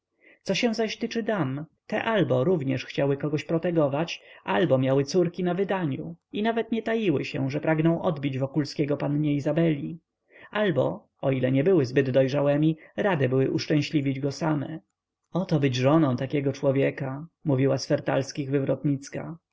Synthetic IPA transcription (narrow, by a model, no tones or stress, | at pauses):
t̪sɔɕɛw̃zaɕt̪ɘt͡ʂɘd̪amt̪ɛʔalbɔɾuvɲɛʂxt͡ɕawɘkɔɡɔɕpɾɔt̪ɛɡɔvat͡ɕʔalbɔmʲjawɘt̪suɾkʲinavɘd̪aɲuinavɛt̪ɲɛt̪ajiwɘɕɛ̰ʐɛpɾaɡnɔ̃w̃ʔɔd̪bʲid͡ʑvɔkulskʲɛɡɔpanɲɛizabɛlʲi | albɔ | ɔilɛɲɛbɘwɘzbɘd̪d̪ɔjʐawɛmʲiɾad̪ɛbɘwɘʔuʂt͡ʂɛ̃w̃ɕlʲivʲid͡ʑɡɔsamɛ̰ | ɔt̪ɔbɘd͡ʑʐɔnɔ̃w̃t̪akʲɛɡɔt͡ʂwɔvʲjɛkamuvʲiwasfɛɾt̪a̰lskʲiɣvɘvɾɔt̪ɲit̪ska̰